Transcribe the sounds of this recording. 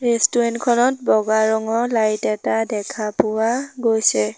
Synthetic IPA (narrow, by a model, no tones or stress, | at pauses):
ɹɛstuɹɛntkʰɔnɔt̚bɔɡaɹɔŋɔlajtɛtadɛkʰapʊwaɡojsɛ